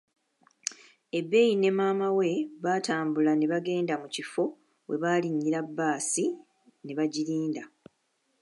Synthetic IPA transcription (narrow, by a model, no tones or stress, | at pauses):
e̞bːe̞jine̞maːmawe̞βaːtaːmbulane̞βaɡe̞ːndamucifo̞ | we̞βaːliɲːiɾabːaːsi | ne̞βaɟiɾiːnda